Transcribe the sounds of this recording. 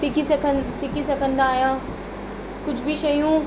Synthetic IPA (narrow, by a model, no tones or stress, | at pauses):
sɪkisɐkʰə̃nsɪkisɐ̃kʰə̃nd̪aːjãː | kʊt͡ʃʰbʱiʃɐjũ